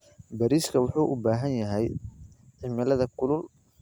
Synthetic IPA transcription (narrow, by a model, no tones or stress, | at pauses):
bɐɾiːskʰɐwʊħuːʔʊbaːɦɐnjɐɦɛj | ʕɪmɪlɐðɐkʰʊlʊl